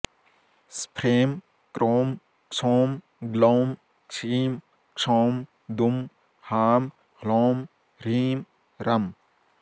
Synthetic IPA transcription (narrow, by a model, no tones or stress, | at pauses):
spʰɾeːm | kɾoːm | ksʰoːm | ɡloːm | kʂʰiːm | ksʰoːm | d̪um | haːm | hloːm | ɾiːm | ɾɐm